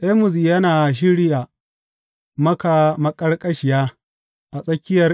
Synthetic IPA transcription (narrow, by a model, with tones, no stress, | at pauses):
ʔɛ˦mʊ˨ziː˨jɐ˦naː˨ʃ̬ɪ˦ɽɪ˦jaː˨ | mɐ˦ka˨mɐ˦kʼɐ˦rkʼɐ˦ʃɪ˨jaː˦ | ʔa˨sʼɐ˦kʲɪ˦jɐ˨r